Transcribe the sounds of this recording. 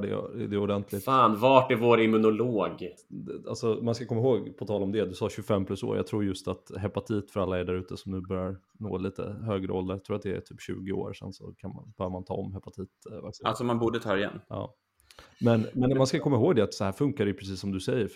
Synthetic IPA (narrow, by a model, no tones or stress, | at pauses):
ɖɛ̰d̪ɛʊd̪ɛnt̪ʰlɪt̪aːnvɑʈæɾvoːɾɪmɵnʊloːɡ̪ | a̰lsɔmanskakʰɔmːaɦoːɡpʰɔt̪ʰɑːlɔmd̪ɛd̪ɵsɑːɕɵɡfɛmːpʰlɵso̰ːɾjɑ̰t̪ʰɾuːɾjɵst̪at̪ɦɛpat̪ʰiːt̪fœɾalːaɛɖæɾʉ̟ːt̪əsɔmnʉ̟ːbœɾjaɾ | no̰ːliːt̪ə̰ɦøːɡɾə̰ʔɔld̪əɾjat̪ʰɾuːɾat̪̚d̪ɛæ̰ʈ̪ʰyːpɕʉ̟ːɡɪo̰ːɾʂɛ̰nsɔ̰kʰanma̰nb̥œːɾjəmant̪ʰɑ̰ːɔmːɦɛpat̪ʰiːt̪va̰ksa̰lsɔmanbuːɖət̪ʰɑːɪjɛ̰nːɑ̰ː | mɛnmɛnmanskakʰɔmːaɦoːɡd̪ɛat̪sɔhæːɾfɵŋkaɾɛjpɾɛs̬iːsːɔmd̪ɵsɛjːəɾ